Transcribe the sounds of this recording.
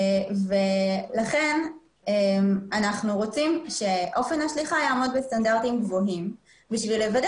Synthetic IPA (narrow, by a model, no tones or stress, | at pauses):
velaχe̞n | emanaχnuʁo̞t͡simʃe̞ʔo̞fe̞naʃliχajaːmodbest̪andaʁtimɡvo̞ɦim | biʃvilevad